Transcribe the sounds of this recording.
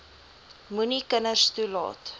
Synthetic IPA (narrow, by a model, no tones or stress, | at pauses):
munikənərstulɑ̰ːt